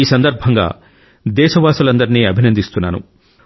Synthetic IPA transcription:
iːsɐnd̪ɐɾbʱɐŋɡa̰ː | d̪ɛːʃɐʋaːsulɐnd̪ɐɾiniːɐbʱinɐnd̪ist̪unːa̰ːnṵ

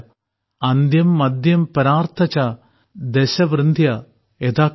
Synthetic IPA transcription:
ɐnd̪jɐmːɐd̪jɐmpɐɾaːrt̪ʰɐt͡ɕa | d̪eɕɐʋɾɨnd̪ʱjɐ | et̪aː

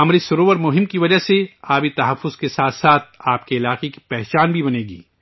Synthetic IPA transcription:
ɐmɾisɐɾoːʋəɾmʊɦɪmkiʋɐd͡ʒəseaːbit̪ɐɦɐfːʊz̥kesaːt̪ʰsaːt̪̚ʰaːp̚keɪlaːqeki̥pɛːɦt͡ʃaːnbʱibɐneːɡḭː

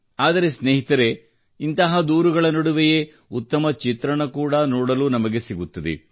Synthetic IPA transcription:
aːd̪ɐɾe̞sneːɦit̪ɐɾe̞ | int̪ɐɦɐd̪uːɾuɡɐɭɐnɐɽuʋeje | ut̪ːɐmɐt͡ʃit̪ɾɐɳɐkuːɽɐnoːɽɐluːnɐmɐɡe̞siɡut̪ːɐd̪ḛ

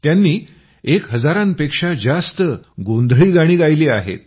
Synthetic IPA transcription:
t̪janːiː | ekɦəd͡zaɾanpekʂad͡zast̪əɡond̪ʱɭiːɡaɽ̃iːɡajleːaɦḛt̪̚

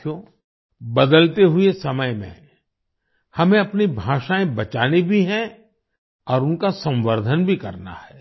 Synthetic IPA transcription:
o | bɐd̪əlt̪eɦʊesɐməjmḛ̃ | hɐmẽɐpnibʱaːʃaːẽbɐt͡ʃaːnebʱiɦɛ̃ | ɔːɾʊnkasɐ̃mʋəɾd̪ʱənbʱikɐ̰ɾna̰hɛː

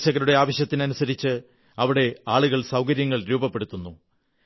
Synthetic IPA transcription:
ɕɐɣɐɾuɽe̞aːʋɐɕjɐt̪ːinɐnusɐɾit͡ɕːɨ | ɐʋiɽe̞aːɭuɣɐɭsɐwkɐɾjɐŋːɐɭɾuːbɐpːe̞ɽut̪ːunːu

